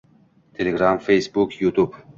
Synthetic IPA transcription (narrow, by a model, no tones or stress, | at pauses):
t̪ʰelʲeɡɾamfejsbukjut̪ʰub